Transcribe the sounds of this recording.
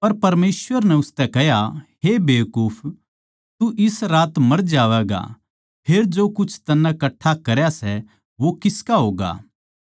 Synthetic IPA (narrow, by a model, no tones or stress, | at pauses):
pɐɾpɐɾmeːsʋəɾnɛʊst̪ɛkɛɦjaɦebeːjkʊːpʰ | t̪uʔɪsɾaːt̪mɐɾd͡ʒaːʋɛɡa̰ | pʰeːɾd͡ʒoːkʊt͡ʃʰt̪ɐnːãkɐʈʰːakɐɾjasɛ | ʋokɪskaɦoːɡa̰ː